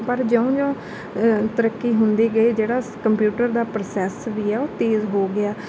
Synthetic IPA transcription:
pəɾd͡ʒəũːd͡ʒõː | t̪əɾəkːiːɦʊnd̪iːɡəiːd͡ʒeːɽaːkəmpjuːʈəɾd̪aːpɾosɛːsʋiːɛːoːt̪eːzɦoːɡɪaː

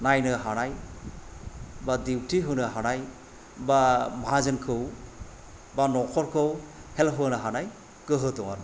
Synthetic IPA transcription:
najnɯɦanaj | badiwtiɦɯnɯɦanaj | bamaɦazɯnkʰɯw | banɔkʰɔɾkʰɯwhelɦɯnɯɦanaj | kɯɦɯtɔŋan

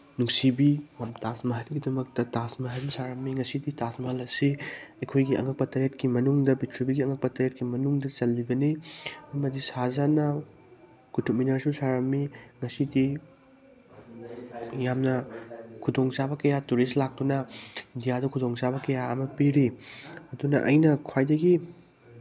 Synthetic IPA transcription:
nuksibimamtasmɐɦɐlɡidɐmɐk̚tɐtasmɐɦɐnsaɾɐmːiŋɐsiditasmɐɦɐlɐsiɐjkʰojɡiʔɐ̰ŋɐk̚pɐtɐɾetkimɐnuŋdɐbitʰɾubiɡiɐŋɐk̚pɐtɐɾet̚kimɐnuŋdɐt͡ʃɐlːibɐniɐmɐdisazanɐ | kutʰuk̚minɐɾsusaɾɐmːiŋɐsidi | jamnɐkʰudoŋsabɐkɐjatuɾislak̚tunɐindijadɐkʰudoŋsaβɐkɐjaɐmɐpiɾiɐdunɐʔɐjnɐkʰwajdɐɡi

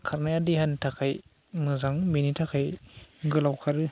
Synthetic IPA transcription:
kʰaɾnajadiɦantʰakʰaj | mɯzaŋminitʰakʰajɡɯlawkʰaɾɯ

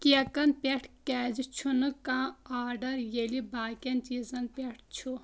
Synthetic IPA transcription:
kʲiɐkɐnpʲeʈʰkʲɛːd͡ʒit͡ʃʰunɨkãːaːɾɖɐɾjelibaːkʲɐnt͡ʃiːzɐnpʲeʈʰt͡ʃʰu

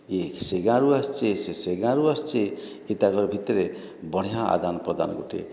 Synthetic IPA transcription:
ekseɡãɾuast͡ʃeseseɡãɾuast͡ʃe | it̪aɡɔɾɔbʱit̪ɔɾe | bɔɽ̤̃ijaʔa̰d̪anɔpɾɔd̪ʱa̰nɔɡuʈḛ

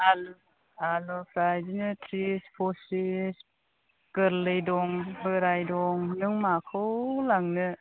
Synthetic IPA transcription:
al | alɔpʰɾajzinɯtʰɾispʰɔsis | kɯɾlɯjdɔŋbɯɾajdɔŋnɯŋmakʰɯwlaŋnɯ

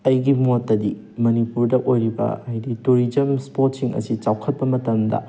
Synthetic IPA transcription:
ɐjɡimuɐtːɐdi | mɐnipuɾdɐʔojɾibɐ̰ɐjdituɾid͡ʒɐmspotsiŋɐ̰sit͡ʃawkʰɐt̚pɐmɐtɐmdɐ̰

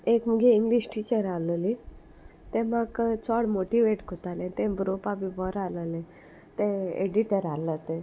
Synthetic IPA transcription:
ekmuɡeiŋɡliɕʈit͡ɕəɾaləli | t̪ɛ̃makt͡sɔɽmoʈiʋeʈkot̪alɛ̃t̪ɛ̃bɾopabibɔɾaləlɛ̃ | t̪ẽḛɖiʈəɾalːət̪ɛ̃

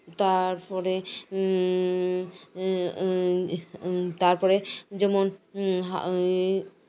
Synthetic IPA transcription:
t̪aɾpɔɾe | t̪aɾpɔɾed͡ʒɔmɔnɦa

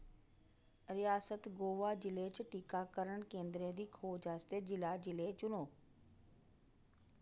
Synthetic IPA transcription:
ɾɪjaːsət̪ɡoːʋaːd͡ʒɪlet͡ʃʈiːkaːkəɾəɳkẽːnd̪ɾẽd̪iːkʰoːd͡ʒaːst̪ed͡ʒɪlaːd͡ʒɪlet͡ʃʊnoː

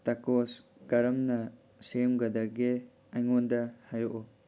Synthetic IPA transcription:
takos | ɡ̥ɐɾɐmnɐ | semɡɐdɐɡe | ɐjŋondɐhajoʔo

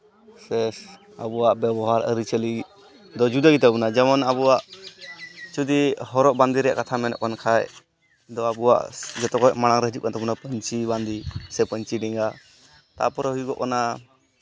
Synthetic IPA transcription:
sɛs | a̰buwaʔbɛbɔɦaɾə̰ɾit͡ʃəli | d̪ɔd͡ʒud̪aɡit̪abunad͡ʒɛmɔnabuwaʔ | t͡ʃud̪iɦɔɾɔʔband̪iɾɛja̰ʔkat̪ʰamɛnɔ̰ʔkankʰaj | d̪ɔabua̰ʔd͡ʒɔt̪ɔkɔʔmaɽ̃aŋɾəɦəd͡ʒup̚kant̪abunapəɲt͡ʃiband̪isɛpəɲt͡ʃiɖɛŋɡa | t̪a̰pɔɾɔɦujɡɔʔkɔna

